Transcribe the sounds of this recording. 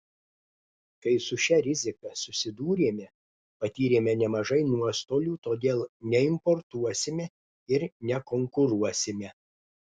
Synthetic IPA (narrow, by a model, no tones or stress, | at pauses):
kɐɪsʊʃʲɛɾʲɪzʲɪkɐsʊsʲɪd̪uːɾʲeːmʲɛ | pɐt̪ʲiːɾʲeːmʲɛnʲɛmɐʒɐɪnuɔst̪oːlʲuːt̪oːd̪ʲeːlˠnʲɛɪmpɔɾt̪uɔsʲɪmʲɛ | ɪɾnʲɛkoŋkʊɾuɔsʲɪmʲɛ